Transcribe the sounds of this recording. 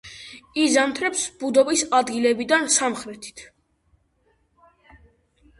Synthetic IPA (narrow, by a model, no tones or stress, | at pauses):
izamt̪ʰɾɛpsbud̪ɔbisad̪ɡilɛbid̪ansamχɾɛt̪ʰi̥t̪ʰ